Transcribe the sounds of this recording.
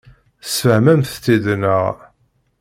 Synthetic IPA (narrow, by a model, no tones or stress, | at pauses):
sfəhmæmθt͡s̪ːiðnə̰ʁ